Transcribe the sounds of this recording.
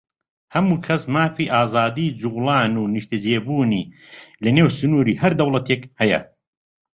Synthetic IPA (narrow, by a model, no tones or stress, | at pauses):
hɐmuːkʰɐsmaːfiːʔaːzaːd̪iːd͡ʒuɣlaːnuːnɨʃt̪ɐd͡ʒeːbuːniː | lɐneːwsɨnuːɾiːhɐɾd̪ɐwlˠɐt̪ʰekhɐjɐ̰